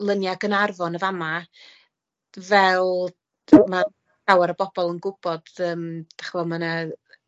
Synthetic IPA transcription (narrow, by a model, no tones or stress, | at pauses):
lˠənjaɡənarvɔnəvama | vɛlˠ | ma | awɛɾəbɔbɔlˠənɡʊb̥ɔd̥əːmd̥ḁχvɔmana